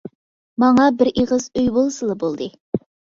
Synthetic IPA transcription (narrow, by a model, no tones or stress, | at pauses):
mɑŋɑbɪɾʔeʁəzøjbolˠsɨlˠɨbolˠd̪ɨ